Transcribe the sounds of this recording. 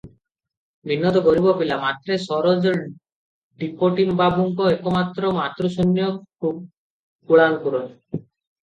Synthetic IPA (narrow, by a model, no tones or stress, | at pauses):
bʱinːɔt̪̬ɔɡɔɾibɔpilamat̪ːɾesɔɾɔd͡ʒɔ | ɖipoʈimbabʱuŋkɔekɔmat̪ːɾɔmat̪ɾɔsonːjɔkʰub̚ | kuɭankuɾɔn